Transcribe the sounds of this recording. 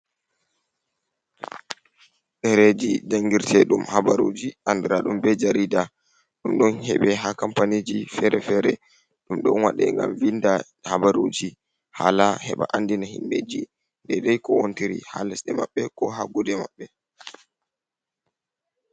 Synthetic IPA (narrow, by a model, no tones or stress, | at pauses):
ɗɛɾed͡ʒid͡ʒaŋɡiɾtʰɛɗumhabaɾod͡ʒiʔandiɾaɗumbɛd͡ʒaɾida | ɗumɗɔnhɛɓɛɦakampaned͡ʒifɛɾɛfɛɾɛ | ɗumɗɔnwaɗɛ̰ŋɡa̰mvinda | habaɾud͡ʒi | ha̰lahɛɓa̰ʔandinahinːḛd͡ʒi | ndɛdajkɔontiɾḭha̰lɛsɗɛmaɓːɛkɔɦaɡɔdɛmaɓːɛ